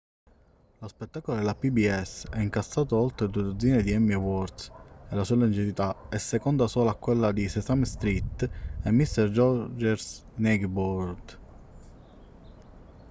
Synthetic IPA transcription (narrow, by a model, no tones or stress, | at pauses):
lospet̪ːaːkolod̪elapibiɛsɛiŋkastːaːt̪oɔlt̪ɾed̪ued̪od̪ziːned̪iɛmːiewɔrt̪selasualund͡ʒivit̪aɛsːekond̪asɔːlakːwelːad̪isesamst̪ɾit̪ːemːist̪ɛrd͡ʒɔd͡ʒeɾsnɛɡbɔɾd̪